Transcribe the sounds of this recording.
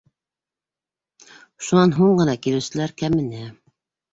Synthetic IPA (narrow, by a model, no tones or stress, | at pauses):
ʃunɑnɦuɴɢɤ̆nɑkilɘ̆wsɘ̆læɾkæmɘ̆næ